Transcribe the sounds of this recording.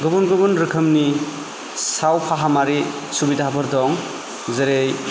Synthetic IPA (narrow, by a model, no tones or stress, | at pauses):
ɡɯbunɡɯbunɾɯkʰɯmni | sawpʰaɦamaɾi | subidaɦabɯɾdɔŋ | zeɾej